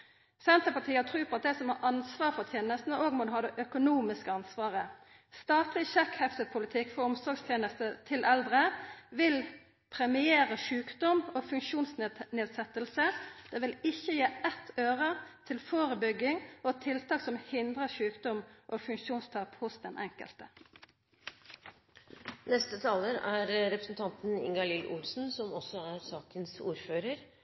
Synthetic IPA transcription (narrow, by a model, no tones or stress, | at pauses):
sɛnt̪əpɑʈʰiːɑt̪ʰʁʉːpʰɔɑt̪̚d̪ɛsɔmhɑːʔɑnsʋɑːɾfɔt̪ʰjeːnəst̪nəoːɡmʊnɦɑːd̪ɛʔœkʊnuːmɪskəɑnsʋɑːʁə | st̪ɑːt̪lɪçɛkhɛft̪əpʰʊlɪt̪ʰɪkfɔɾɔmsɔɡst̪ʰjeːnəst̪ət̪ʰɪlʔɛld̪ʁəʋɪl | pʰɾɛmɪeːɾəʃʉːkd̪ɔmofʉŋʃuːnsnneːd̪sɛt̪ːəlsəd̪̥eːʋɪlɪçːəjeːʔɛt̪ʰːøːʁət̪ʰɪlfoːɾəbʏɡɪŋɔt̪ʰɪlt̪ʰɑːksɔmhɪnd̪ʁəʃʉːkd̪ɔmʔoːfʉŋʃuːnst̪ʰɑːphʊsd̪ɛnʔɛŋkə̰lt̪ə | nɛst̪ət̪ʰɑːləɾæɾɾɛpɾəsnt̪ʰɑnt̪n̩ɪ̰ŋɡɑlɪlʔʊ̰lsn̩sɔmɔsɔæɾsɑːkənsuːɾføːɾəɾ